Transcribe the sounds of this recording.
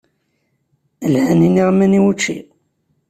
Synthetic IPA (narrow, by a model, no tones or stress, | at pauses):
əlhæniniʁmæniwut͡ʃːḭ